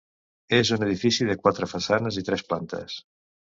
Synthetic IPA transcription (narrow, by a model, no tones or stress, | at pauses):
ezuneðifisiðəkwat̪ɾəfasanəzit̪ɾɛsplant̪ə̰s